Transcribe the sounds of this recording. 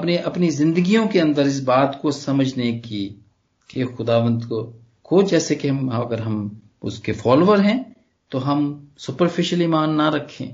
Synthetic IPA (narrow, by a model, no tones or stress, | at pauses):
ɐpneʔɐpnizɪ̃nd̪əɡijõkeɐ̃nd̪əɾɪs̬baːt̪kosɐməd͡ʒʱneki | kexʊd̪aːʋə̃nd̪ko | kod͡ʒɛːsekeɦɐmɦɐɡəɾɦɐm | ʊ̰skefaːloːʋəɾɦɛ̃ː | t̪oɦɐmsʊpəɾfɪʃəliːmaːnːɐɾɐkʰːḛ̃ː